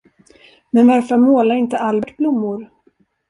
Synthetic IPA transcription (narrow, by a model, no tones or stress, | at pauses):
mɛnvaɾfœɾmoːlaɾɪnt̪əalbɛʈblʊmːʊɾ